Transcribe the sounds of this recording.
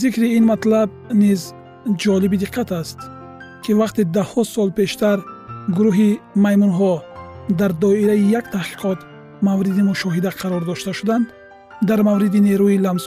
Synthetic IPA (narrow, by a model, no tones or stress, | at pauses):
zikɾiinmat̪lab̚niz | d͡ʒɔlibid̪iqʰːat̪ast̪ | kʰivaqt̪id̪ahɔsɔlpe̞ʃt̪aɾɡuɾuɦimajmunɦɔd̪aɾd̪ɔiɾaijakt̪ʰahqi̥qʰɔt̪ | mavɾid̪imuʃɔɦid̪aqʰɑɾɔɾd̪ɔʃt̪aʃud̪and̪ː | aɾmavɾid̪ine̞ɾuilams